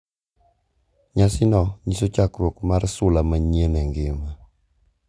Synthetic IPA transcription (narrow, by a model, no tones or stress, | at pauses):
ɲasɪnɔɲisot͡ʃakɾwokmarsʊlamaɲenɛŋɡɪma